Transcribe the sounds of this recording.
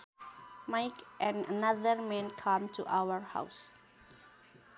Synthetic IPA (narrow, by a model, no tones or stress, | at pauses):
maɪkʔɛ̃nɖənʌd̪əɾmɛ̃nkʰãmʈʰuʔaʊəɾha̰ʊs